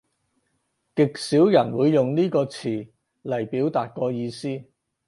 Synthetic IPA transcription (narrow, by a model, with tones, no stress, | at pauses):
kɪ˨k̚siː˨˥wjɐ˨˩nwuː˨˧jːʊ˨ŋniː˥kɔː˧t͡sʰiː˨˩ | lɐ˨˩jpiː˨˥wt̪aː˨t̚kɔː˧jiː˧siː˥